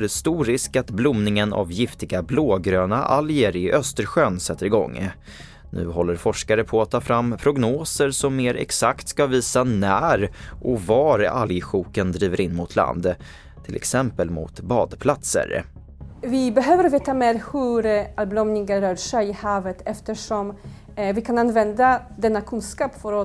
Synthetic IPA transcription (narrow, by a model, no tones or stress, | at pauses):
ɾɛst̪uːɾɪskat̪blʊmnɪŋəna̰vjɪft̪ɪɡabloːɡɾøːnaʔaljəɾɪʔœst̪əɾɧøːnsɛt̪ːəɾɪɡɔ̰ŋː | nʉ̟̰ːɦɔlːəɾfɔʂkaɾəpʰɔat̪ʰːɑːfɾamːpʰɾʊɡnoːsəɾsɔmːeːɾʔɛ̰ksakt̪skaviːsanæːɾʔɔvɑːɾa̰ljɧuːkənd̪ɾiːvəɾɪnːmʊt̪ʰla̰nd̪ | t̪ʰɪlʔɛ̰ksɛmpəlmʊ̰t̪bɑːd̪pʰlat̪sə̰ɾ | vɪbɛɦøːvəɾveːt̪ameːɾhɵɾalblɔmnɪŋəɾœːɾʂɛjɪhɑːvət̪ʰɛft̪əʂɔm | vɪkʰananvɛnd̪ad̪ɛnːakʰɵnskɑːpfɔɾɔ